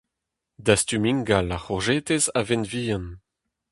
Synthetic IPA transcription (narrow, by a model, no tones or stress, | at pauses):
d̪ast̪ymiŋɡalaχɔʁʒeːt̪ezavɛnviːãn